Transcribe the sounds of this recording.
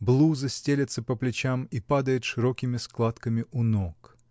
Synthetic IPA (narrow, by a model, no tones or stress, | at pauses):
blˠuzɨsʲtʲelʲɪt̪səpəplʲɪt͡ɕamipad̪əjɪt̪ʂɨɾokʲɪmʲɪsklˠat̪kəmʲɪʔʊnok